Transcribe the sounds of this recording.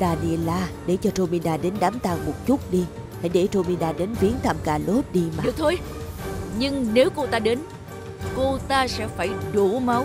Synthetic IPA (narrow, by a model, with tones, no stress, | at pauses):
t̪aː˧˩nḭ˧˨əlaː˧ɗe˧˩t͡ɕɔ˧to˧mi˧naː˧˩ɗe˨˦nɗaː˨˦mt̪aː˧˩ŋmo˨˩t̚t͡ɕu˦˥t̚ɗi˧ | ha˧˩jɗe˧˩to˧mi˧ɗaː˧˩ɗe˨˦nvi˨˦ənt̪ʰaː˧˨mkaː˧˩lo˦˥t̚ɗi˧maː˨k̚t̪ʰo˨˧j | ɲɨ˧ŋne˨˦wko˧t̪aː˧ɗe˨˦n | ko˧t̪aː˧sɛ̰˧˥faː˧˩jɗu˧˩ma˨˦w